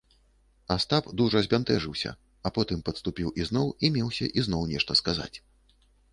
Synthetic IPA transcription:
ast̪apd̪uʐɐzʲbʲant̪ɛʐɨwsʲɐ̰ | ɐpɔt̪ɨmpɐt̪st̪upʲiwʔiznɔwimʲɛwsʲɐʔizn̪ɔwnʲɛʂt̪ɐskaza̰t͡sʲ

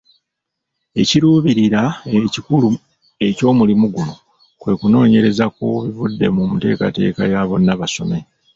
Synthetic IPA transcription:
e̞ciɾuːβiɾiɾaecikulu | e̞co̞ːmulimuɡulo | kwe̞kuno̞ːɲe̞ɾe̞zakoβivudːe̞̰mumute̞̰ːka̰te̞̰ːka̰jaːβo̞naβaso̞̰me̞

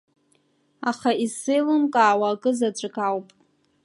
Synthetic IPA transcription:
aχaisɨjlɨmkʼaːwakʼɨzat͡ɕʷʼakʼawpʼ

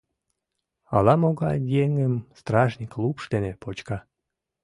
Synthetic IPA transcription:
ɑlɑmoɣɑjeŋəmst̪ɾɑʒnʲiklupʃd̪enepot͡ɕkɑ

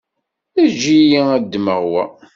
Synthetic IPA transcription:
æd͡ʒijiæd̪ːməʁwæ

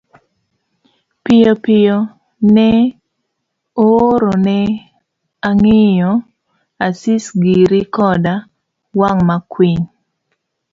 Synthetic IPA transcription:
pɪjɔpɪjɔ | nɛ | oɾonɛ | aŋɪjɔ | asisɡiɾikɔda | waŋmakwiɲ

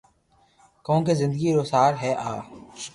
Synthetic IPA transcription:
kõːkezɪ̃nd̪əɡiɾoːsaːɾɦɛʔaː

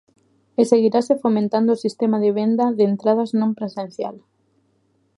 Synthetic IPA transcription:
eseɣiɾasefomẽnt̪and̪oːsist̪emaðeβ̞end̪ɐðeent̪ɾað̞aznõmpɾesẽn̟θja̰l

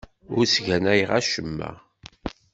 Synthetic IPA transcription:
ʊɾsʝænæjʁæʃəmːæ̰

